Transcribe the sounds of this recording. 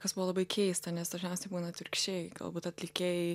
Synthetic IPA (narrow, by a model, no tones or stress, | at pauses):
kɐsbuʋoːlˠɐbɐɪkʲʰɛɪst̪ɐnʲɛsd̪ɐʒʲnʲɛʊsʲɛɪbuːnɐt̪ʲɪɾʲkʲt͡ʃʲɛɪɡɐ̰lˠbuːt̪ɐt̪ʲlʲɪkʲej